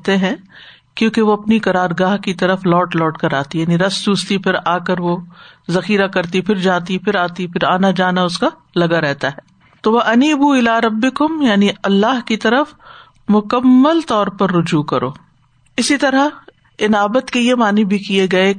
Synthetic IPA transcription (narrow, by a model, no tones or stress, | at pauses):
t̪eɦɛ̃ | kjõːkeʋoɐpnikɐɾaːɾɡaːɦkit̪ɐɾəflɔːʈlɔːʈkɐɾaːt̪ijaːniɾɐsd̪uːst̪ipʰɪɾaːkɐɾʋozɐxiːɾakɐɾt̪ipɪɾd͡ʒaːt̪ipʰɪɾaːt̪ipɪɾaːnad͡ʒaːnaʊska | lɐɡaɾɛɦt̪aɦɛː | t̪oʋɐʔɐniːbuɪlaːɾɐbːɪkʊmjaːniɐlːaːɦkit̪ɐɾəf | mʊkɐmːəlt̪ɔːɾpɐɾːʊd͡ʒuːkɐɾʔo̰ː | ɪsit̪ɐɾa | ɪnaːbət̪kejemaːnebʱikieɡɐe